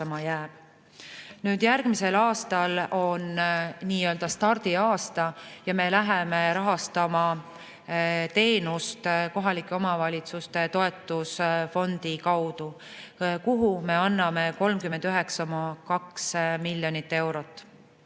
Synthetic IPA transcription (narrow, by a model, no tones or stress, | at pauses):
ɑmɑjæːb̥ | nyːd̪̥jærɡ̥mise̞lɑːst̪ɑlo̞nniːø̞ld̪ɑst̪ɑrd̪̥iɑːst̪ɑjɑme̞læɦeme̞ɾɑɦɑst̪ɑmɑ | t̪e̞ːnust̪ko̞ɦɑlikːˑeo̞mɑvɑlʲit̪sust̪e̞t̪o̞e̞t̪ːˑusfo̞nd̪̥ikɑwd̪̥u | kuɦume̞ɑnːɑme̞ko̞lmkymend̪̥yɦe̞kskomɑkɑksmilʲjo̞nit̪ːe̞wɾo̞t̪ːˑ